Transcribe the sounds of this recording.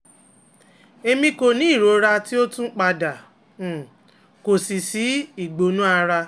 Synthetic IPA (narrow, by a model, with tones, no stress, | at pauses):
e˧mĩ˧ko˨nĩ˦i˦˨ɾo˨˦ɾa˧ti˦o˦tũ˦k͡pa˧da˨ | ko˨si˨si˨˦i˨ɡ͡bo˨˦nũ˦a˧ɾa˧